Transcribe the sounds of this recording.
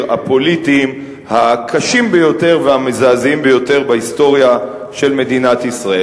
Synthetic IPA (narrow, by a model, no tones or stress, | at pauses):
apo̞litiːm | hakʰaʃimbejo̞te̞ʁvehamezaːzimbejo̞te̞ʁbahisto̞ʁja | ʃe̞lme̞d̪inathisʁae